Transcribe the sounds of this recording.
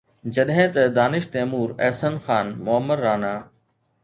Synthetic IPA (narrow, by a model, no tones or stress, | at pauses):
d͡ʑɐɗɦɪ̃t̪ɐd̪aːnɪʃt̪eːmuːɾɐ̰ːsənxaːnmʊəmːəɾːaːnaː